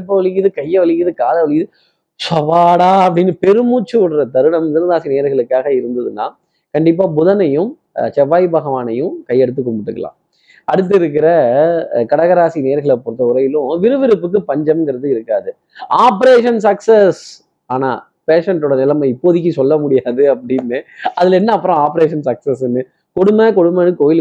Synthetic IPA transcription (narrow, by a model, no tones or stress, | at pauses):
p̬ːɐʋɐɭɪɣɪðɯkɐjːɐʋɐɭɪɣɪðɯkaːlɐʋɐɭɪɣɪðɯ | t͡ʃɐʋaːɽaːɐʋɽɪnːɯpɛɾɯmuːt͡ʃːɯʊɽɾɐt̪ɐɾɯɳɐmt̪ɪnɐðaːsineːɾɣɐɭɯkːaːɣɐɪɾɯnd̪ɐðɯnːa̰ː | kɐɳɖɪp̬ːaːbʊðɐnɐjɯ̃m | t͡ʃɛʋːaːjbɐɣɐʋaːnɐjɯ̃kɐɪːɛɽɯt̪ːɯkːɔmbɯʈːɯkːɐlã̰ː | ɐɽɯt̪̬ːɪɾɯk̬ːɪɾɐkɐɽɐɣɐɾaːsineːɐɾɣɐɭɐpːɔɾɯt̪ːɐʊɾɐjɪlʊ̃ʋɪɾɯʋɪɾɯpːɯk̬ːɯpɐɲd͡ʒɐmŋɡɪɾɐðɯɪɾɯkːaːðɯ | aːpɐɾeːʂɐnsɐksɐs | aːna̰ː | peːʂɐɳʈoːɽɐnɪlɐmɐɪpːoːðɪk̬ʲːɯsɔlːɐmʊɽɪjaːðɯɐpːɐɽɪnːɯɐðɪlɛnːɐːpːɯɾõaːpɐɾeːʂɐnsɐksɐsɛnːɯ | kɔɽɯmːɐkɔɽɯmːɐnːɯkoːjɪl